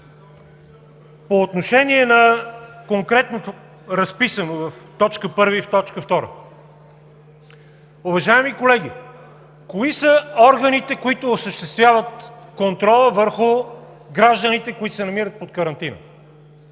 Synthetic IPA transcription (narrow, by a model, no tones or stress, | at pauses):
poːt̪noʃɛniɛnɐkoŋkɾɛt̪not̪o | ɾɐspisənovɐft̪ɔt͡ʃkəpɤɾviːft̪ɔt͡ʃkəft̪ɔɾə̰ | ʊvɐʒaɛmikolɛɡ̟i | koisəɔɾɡənit̪ɛkoit̪oːsəʃt̪ɛst̪vʲjavət̪̚kont̪ɾɔlˠəvəɾxʊ | ɡɾaʒd̪ənit̪ɛkoit̪ʊ̥sɛnɐmiɾət̪̚pot̪̚kəɾɐnt̪inə̰